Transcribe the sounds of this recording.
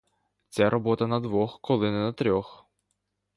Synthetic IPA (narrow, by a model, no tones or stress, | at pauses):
t͡sʲaɾɔbɔt̪ɐnɐd̪ʋɔxkɔlˠɪnɪnɐt̪ɾʲɔx